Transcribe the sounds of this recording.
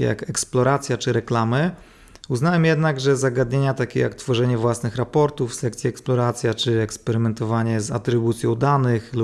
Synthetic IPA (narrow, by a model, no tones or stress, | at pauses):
ɛ̰ja̰kɛksplɔɾat̪sʲjat͡ʂɘɾɛklamɘ | uznawɛmjɛd̪naɡʐɛzaɡad̪ɲeɲat̪akʲɛ̰ja̰kt̪fɔʐɛɲɛvwasnɘxɾapɔɾt̪ufsɛkt̪sʲjiɛksplɔɾat̪sʲjat͡ʂɘɛkspɛɾɘmɛnt̪ɔvaɲɛza̰t̪ɾɘbut̪sʲjɔ̃wd̪anɘxlu